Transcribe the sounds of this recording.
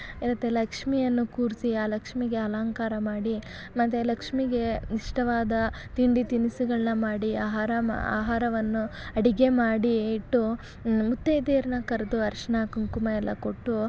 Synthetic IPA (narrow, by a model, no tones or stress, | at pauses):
iɾɐt̪elɐkʂmijɐnːukuːɾsiaːlɐkʂmiɡe̞ɦɐlaːŋkaːɾɐmaːɽi | mɐt̪ːelɐkʂmiɡe̞niʂʈɐʋaːd̪ɐ | t̪iɳɖit̪inisuɡɐɭɐnɐmaːɽiaːɦaːɾɐ̰a̰ːɦaːɾɐʋɐnːuɐɽiɡe̞maːɽiːʈːu | mut̪ːejd̪eːɾɐnɐkɐɾɐd̪uɐɾʂɐɳakɐŋkumɐjɛlːɐ̰ko̞ʈːu